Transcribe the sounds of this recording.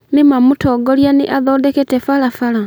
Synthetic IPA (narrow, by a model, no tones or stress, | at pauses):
nimamutʰɔːɡɔljaneʔaðɔːdɛketɛfalafala